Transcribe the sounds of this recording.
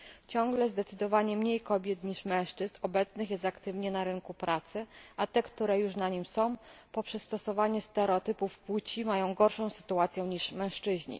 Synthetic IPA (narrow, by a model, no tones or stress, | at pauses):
t͡ɕɔ̃ŋ̃ɡlɛzd̪ɛt̪sɘd̪ɔvaɲɛmɲejkɔbʲjɛt̪ɲiʂmɛ̃w̃ʂt͡ʂɘznɔbɛt̪snɘxjɛst̪akt̪ɘvɲɛnaɾɘŋkupɾat̪sɘʔat̪ɛkt̪uɾɛjuʂnaɲimsɔ̃w̃pɔpʂɛst̪ɔsɔvaɲɛst̪ɛɾɛɔt̪ɘpufpwut͡ɕimajɔ̃w̃ɡɔɾʂɔ̃w̃sɘ̥t̪uat̪sʲjɛ̃ɲiʂmɛ̃w̃ʂt͡ʂɘʑɲḭ